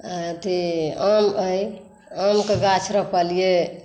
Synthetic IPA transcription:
t̪iəməj | əmkeɡat͡ʃʰɾəpəlije

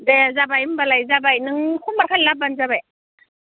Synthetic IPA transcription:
dɛzabajbalajzaːbajnɨŋxuməkʰalap̚banzaba

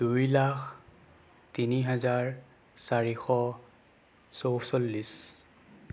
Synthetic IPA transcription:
d̥ujlakʰ | tiniɦazaɹ | saɹixɔ | sowsolːis

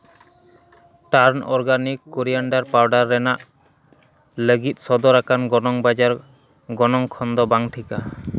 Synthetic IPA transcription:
ʈaɾnɔ̰ɾɡanikːoɾijaɳɖaɾpawɖaɾːɛnaʔ | ləɡit̪̚ˀsɔd̪ɔɾakanɡɔnɔŋbad͡ʒaɾ | ɡɔnɔŋkʰɔnd̪ɔbaŋʈʰika

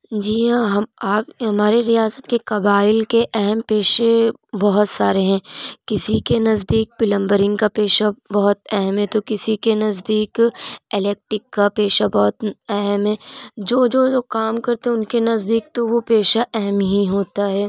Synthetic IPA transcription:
d͡ʒiːɦãɦɐaːpɦɐmaːɾeɾijaːsət̪kekɐbaːɪlkeʔɛɦɛmpeːʃe | bɐɦʊt̪saːɾeɦɛ̃ːkɪsikenɐzd̪iːk̚pɪlə̃mbəɾɪ̃ŋɡkapeːʃabɐɦʊt̪ɛɦɛmɦɛ̃t̪okɪsikenɐzd̪iːkelɛːk̚ʈɾɪkːapeːʃabɔɦʊt̪ɛɦɛmɦɛ̃ːd͡ʒoːd͡ʒoːoːkaːmkɐɾt̪ẽɦɛ̃ʊnkenɐzd̪iːk̚t̪oʋopeːʃaʔɛɦɛmɦiɦoːt̪aɦɛː

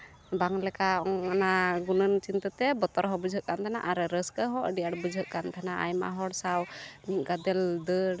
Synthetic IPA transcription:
baŋlɛkaɔŋanaɡunənt͡ʃint̪ət̪ɛbɔt̪ɔɾɦɔ̃bud͡ʒʱɦəʔ̚kant̪ʰana̰ʔaɾɾəskəɦɔ̃ʔəɖijaɽbud͡ʒʱɦəʔ̚kant̪ʰanaʔa̰jma̰ɦɔɽsawnit̪̚ɡad̪ɛld̪ə

